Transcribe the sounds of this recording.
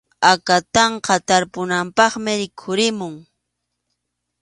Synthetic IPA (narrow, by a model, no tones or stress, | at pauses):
akat̪ɑɴqɑt̪aɾpʊnampɑχmɪɾɪkʰʊɾɪmʊŋ